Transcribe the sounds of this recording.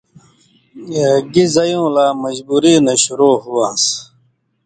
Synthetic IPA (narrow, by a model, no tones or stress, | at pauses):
ɡizɐjũːlaːmɐd͡ʑbuːɾiːnɐɕuɾoːɦuwãːs